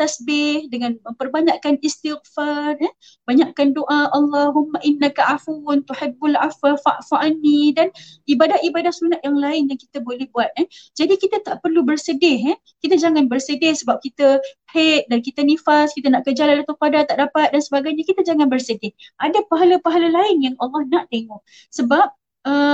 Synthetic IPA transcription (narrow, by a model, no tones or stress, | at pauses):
t̪asbɪhdəŋanmə̃mpərbaɲaʔkanist̪iɣfarə | baɲaʔkandoʔaʔalˤːɑɦumːaʔɪnːakaʔafunt̪uħɪbːalʕafafaʔfaʔanːidanibadat̪ibadat̪̚sunat̪̚jaŋlaɪnjaŋkit̪əbolɛhbuat̪̚əd͡ʒadikit̪ət̪aʔpərlubərsədɪɦə | kit̪əd͡ʒaŋanbərsədɪhsəbap̚kit̪əhet̪̚dankit̪ənifaskit̪ənaʔkəd͡ʒalandat̪uqadat̪ːaʔdapat̪̚dansəbaɡajɲakit̪əd͡ʒaŋanbərsədɪhʔadapaɦalapaɦalalaɪnjaŋʔɑlˠːɑhnaʔt̪eŋɔʔ | səbap̚ | ə